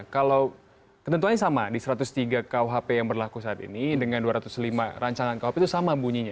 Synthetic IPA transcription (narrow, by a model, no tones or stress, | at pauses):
kalaw | kət̪ənt̪uaɲasamadisəɾat̪ʊst̪iɡakawɦapejaŋbərlakusaːt̪ḭnidəŋanduaɾat̪ʊslimaɾaɲt͡ʃaŋankawhapet̪usamabuɲiɲa